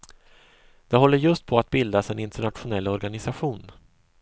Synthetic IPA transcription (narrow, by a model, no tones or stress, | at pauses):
d̪̥ɛɦɔlːəɾjɵst̪̚pʰɔat̪̚bɪld̪asɛnɪnt̪əɳat̪ɧʊnɛlːɔɾɡanɪsaɧuːn